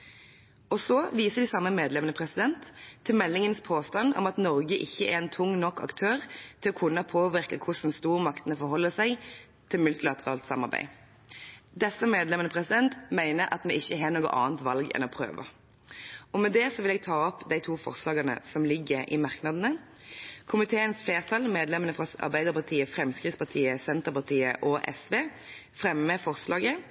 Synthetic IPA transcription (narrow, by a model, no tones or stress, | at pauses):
ɔsɔʋiːsəd̪ɪsɑmːəmeːd̪lɛmənəpʰʁɛsɪd̪ɛnt̪ʰːɪlmɛlːɪŋənspʰoːst̪ɑnɔ̰mɑt̪nɔʁɡəʔɪçːəʔɛ̰ʁɛnt̪ʰʊŋːnɔkʰːɑ̰kt̪ʰøːʁt̪ʰɪlɔkʰʊnːəpʰoːʋɪʁkəkʰʊsn̩st̪uːʁəmɑkt̪ənəfɔɾɦɔlːəsæɪ | t̪ʰɪlmʉlt̪ɪlɑt̪əʁɑːlt̪sɑmɑ̰ʁbæ̰ɪ | d̪ɛsːəmeːd̪lɛmənəpʰʁɛsɪd̪ɛnt̪mæɪnəɾʔɑ̰t̪mɛʔɪçːəɦeːnoːɡə̰ʔɑ̰ːnt̪ʋɑlɡɛ̰nɔpʰʁø̰ːʋə̰ | ɔmɛd̪ɛsɔʋɪlɛɡ̚t̪ʰɑːɔpd̪æɪt̪ʰuːfɔ̰ʁslɑːɡɑnə̰sɔmlɪɡːəɾɪ̰mɑʁknɑd̪ənə | kʰʊmɪt̪ʰeːənsfleːʁt̪ʰɑlmeːd̪lɛmənəfʁɑɑ̰ʁbæɪd̪əʁpɑʁt̪ʰiːəfɾɛmskʁɪːspɑʁt̪ʰiːəsɛnt̪əʁpɑʁt̪ʰiːə̰ʔɔʔɛ̰sʋeːfɾɛmːəfɔʁslɑːɡə